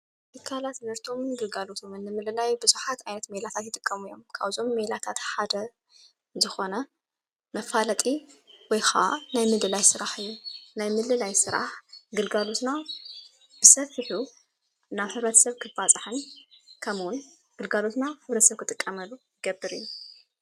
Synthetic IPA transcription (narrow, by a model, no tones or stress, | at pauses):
t̪ɨkʰːalat̪zɐɾt̪ʰo̞mɡɨlɡalo̞t̪ʰomɨnːɨmɨlɨlajbɨzuħat̪ajnɐt̪melat̪ʰat̪jɪt̪ʼɨkʼːɐmujːo̞̰mkʰaβzo̞mːelat̪ʰat̪ħad̪ɐ | zɨxo̞nɐ | mɐfalɐt̪ʼiwɔjxaa̰najmɨlɨlajsɨɾaħɨjːunajmɨlɨlajsɨɾa̰ħɡɨlɡalo̞t̪na | b̥ɨsɐfɨħu | naβħɨβɾɐt̪ʰɐ̥sɐβkʰɨfat͡sʼɨħɨnkʰɐmwʊn | ɡ̥ɨlɡalo̞t̪naħɨβɾɐt̪sɐβkʰɨt̪ʼɨkʼːɐmɐlːujɨɡɐbːɨɾɨ̰jːu